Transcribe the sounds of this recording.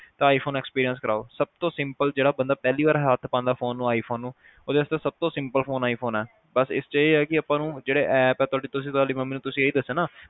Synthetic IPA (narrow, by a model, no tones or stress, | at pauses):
t̪ãːaːipʰoːnɛːkspiːɾijənskəɾʔa̰ːoːsəb̚t̪õːsɪ̃mpəld͡ʒeːɽaːbənd̪aːpɛːliːʋaːɾɦaːt̪ʰpãːnd̪aːpʰoːnːũːaːiːpʰoːnːũː | oːd̪eːəst̪eːsəb̚t̪õːsɪ̃mpəlpʰoːnaːipʰoːnɛː | bəsɪ̰st͡ʃeːɛːkɪəpãːnũːd͡ʒeːɽeːʔɛːpɛːt̪ʊaːɖiːt̪ʊsĩt̪ʊaːliːməmːiːnũːt̪ʊsĩːeiːd̪əsːeːnaː